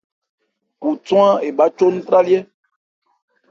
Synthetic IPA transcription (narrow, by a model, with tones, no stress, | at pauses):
ku˨tw̃ã˦e˨ba˨˦t͡ʃo˦nũ˦t̪ɾa˦li˦ɛ˦